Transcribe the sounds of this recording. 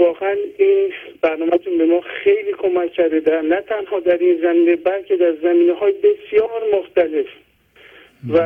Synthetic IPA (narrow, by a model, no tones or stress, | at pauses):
vɒːɣeæninb̥æɾnɒːmæt̪ʰunbe̞mɒːxejliːkʰo̞mæcʰːæɾd̪ed̪ænæt̪ʰænhɒːd̪æɾiːnzæmiːnebælcʰe̞d̪æɾzæmiːneɦɒːjebe̞sijɒːɾmoxt̪æle̞f | væ